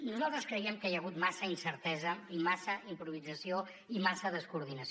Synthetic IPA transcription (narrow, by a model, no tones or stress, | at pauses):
nuzalˠt̪ɾəskɾəiɛmkjəɣ̞ut̪masəinsəɾt̪ɛzəimasəimpɾuβ̞id͡zəsio | imasəðəskuɾðinəs